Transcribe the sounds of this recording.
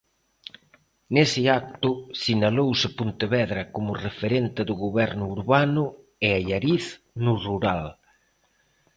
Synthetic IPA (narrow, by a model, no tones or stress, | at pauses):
nesɪak̚t̪ʊsinalowsɪpunt̪eβɛðɾɐkomʊrefeɾent̪ɪðʊɣoβɛɾnʊːɾβanʊ | ɪaʎaɾiθ | nʊruɾal